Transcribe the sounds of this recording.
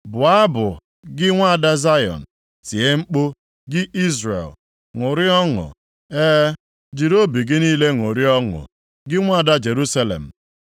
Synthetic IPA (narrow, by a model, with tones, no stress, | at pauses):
bʊ˨a˦bʊ˨ | ɡɪ˦ŋʷa˦a˨da˦za˦jɔ̰˨n̩˨ | si˨e˦ŋ͡m̩˦k͡po˦ | ɡɪ˦i˦zɾḛ˨l | ŋʊ˨ɾɪ˦ɔ˦ŋʊ̰˨ | eː˦ | d͡ʒi˨ɾo˦bi˨ɡɪ˦niː˦le˦ŋo˨ɾi˦ɔ˦ŋʊ̰˨ | ɡɪ˦ŋʷa˦˨da˦d͡ʒe˨ɾu˦sa˦lḛ˨m̩˨